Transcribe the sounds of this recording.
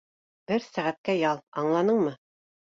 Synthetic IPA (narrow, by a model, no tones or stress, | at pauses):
bɘɾsæʁæt̪̚kæjɑlˠɑɴlˠɑnɤɴmɤ